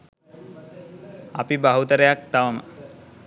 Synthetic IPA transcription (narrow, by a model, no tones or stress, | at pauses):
a̰pibaɦut̪əɾejak̚t̪aʋəmə̰